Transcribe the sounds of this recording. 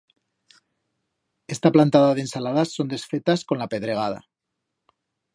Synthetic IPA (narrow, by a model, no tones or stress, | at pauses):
e̞st̪aplant̪aðaðensalaðasːo̞nd̪esfe̞t̪asko̞nlape̞ðɾe̞ɣ̞að̞a̰